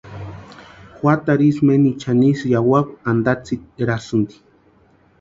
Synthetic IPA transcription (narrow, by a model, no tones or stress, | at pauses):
xʷat̪aɾismenit͡ʃanisjawakʷand̪at͡siɾasɨnd̪i̥